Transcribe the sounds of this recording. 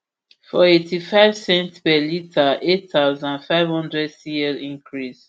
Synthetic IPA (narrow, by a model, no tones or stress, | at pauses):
fɔetʰifaɪv̥sɛ̃ntpɛlitʰaʔetθaʊzãnfaɪvhɔ̃ndɹɛdsiɛlĩŋkʰɹis